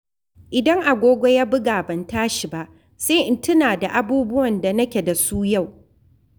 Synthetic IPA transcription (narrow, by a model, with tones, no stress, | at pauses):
ʔɪ˨dɐ˦ŋʔa˨ɡʷoː˦ɡʷo˦jaː˦bɪ˦ɡaː˨bɐ˨ntaː˦ʃi˨ba˦ʔ | seː˦ʔɪ˦ntʊ˦naː˨da˨ʔa˦buː˦bʊ˦wɐ˨nda˨nɐ˦kʲe˨da˨suː˦ja˦˨w